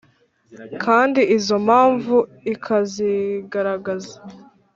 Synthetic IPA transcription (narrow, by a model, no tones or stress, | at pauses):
kʰaːndiizo̞mhaːɱvu | ikʰaziɡaɾaɡazḁ